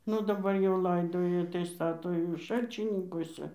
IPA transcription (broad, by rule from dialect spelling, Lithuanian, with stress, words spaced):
ˈnʊ dɐˈbɐr jɛʊ ˈlˠɐɪdoːjɛ tɐɪ ˈstɑːtoː jɛʊ ˈʃɐlʲt͡ʃʲɪnʲɪŋkoːsʲɛ